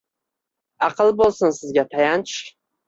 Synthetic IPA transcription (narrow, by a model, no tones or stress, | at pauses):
ɑqʰɨlˠbolˠsɪnsɪzɡʲat̪ʰajant͡ʃ